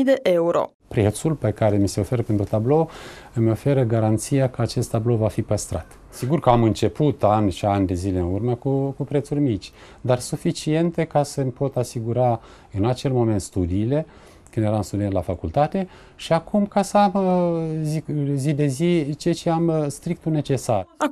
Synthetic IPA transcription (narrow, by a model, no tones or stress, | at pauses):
d̪eʔeuɾo̞̰ | pɾe̞t̪sulpe̞kaɾe̞mise̞o̞fe̞ɾəpent̪ɾut̪ablo̞ | ɨmʲo̞fe̞ɾəɡaɾant̪sijakəat͡ʃe̞st̪ːablo̞vafipəst̪ɾat̪ | siɡurkəamɨnt͡ʃe̞put̪anʲʃianʲd̪e̞zileɨnurməkukupɾe̞t̪surʲmit͡ʃʲ | d̪arsufit͡ʃient̪e̞kasəmʲpo̞t̪asiɡuɾa | ɨnat͡ʃe̞lmo̞me̞nt̪st̪ud̪iːle̞ | kɨnd̪eeɾamst̪ud̪ienlafakult̪at̪e̞ | ʃiakumkasəam | zizid̪e̞zit͡ʃejat͡ʃeamst̪ɾikt̪une̞t͡ʃe̞sar